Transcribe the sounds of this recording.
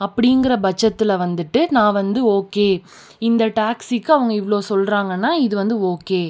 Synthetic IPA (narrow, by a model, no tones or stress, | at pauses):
ɐpːɐɽiŋɡɪɾɐbɐt͡ʃːɐt̪ːɪlɐʋɐnd̪ɯʈːɯnãːʋɐnd̪ɯoːkeː | ɪnd̪ɐʈaːksikːɯɐʋɐŋɡɐɪʋɭoːsɔlɾaːŋɡɐnːaːɪðɯʋɐnd̪ɯoːkeː